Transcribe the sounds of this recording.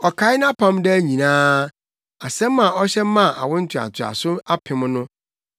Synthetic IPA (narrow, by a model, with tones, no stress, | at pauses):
ɔ˨kʰa˨˦ɪ˦ñ˦a˦pʰã˦mdɪ˦æ˦ɲĩ˨nãː˦ | a˨sɛ̃˦mː˦ã˨ɔ˦ɕɛ˦mːã˦˨ʔa̰˨wʊ̃˦n̩˦tʰᶣa̰˨tʰɪ˨a̰˨sʊ˦a˦pʰɪ̃˨m˦nʊ̃˦